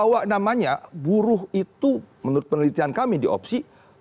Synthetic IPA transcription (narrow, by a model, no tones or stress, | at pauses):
awaʔnamaɲabuɾʊɦit̪umənuɾʊt̪̚pənəlit̪iankamidiɔ̰psi